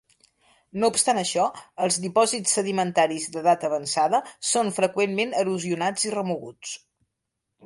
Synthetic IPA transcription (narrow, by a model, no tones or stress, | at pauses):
noupst̪anəʃɔəlˠzðipɔzit͡sːəðimənt̪aɾizðəðat̪əβənsaðəsonfɾəkwenmenəɾuziunad͡zirəmuɣut͡s